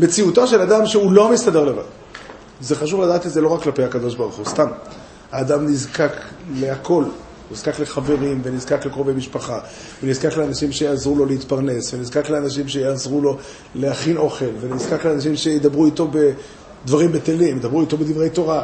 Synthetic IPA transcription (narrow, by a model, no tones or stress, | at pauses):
me̞t͡siut̪oʃe̞ladamʃeulo̞mist̪ade̞ʁle̞va̰d̪ | ze̞χaʃuvlad̪aːt̪ezelo̞ʁakːlape̞jhakad̪o̞ʃbaʁuχust̪am | haːd̪amnizkakle̞akʰo̞l | niz̥kakle̞χave̞ʁimvenizkaklekʁo̞vejmiʃpaχa | venizkakleanaʃimʃejazʁulo̞leit̪paʁne̞svenizkakleanaʃ̬imʃejazʁulo̞ | leaχino̞χe̞lve̞nizkakleanaʃ̬imʃe̞jid̪abʁuit̪o̞be̞ | d̪vaʁimbet̪elimjd̪abʁuit̪o̞bed̪ivʁejt̪o̞ʁa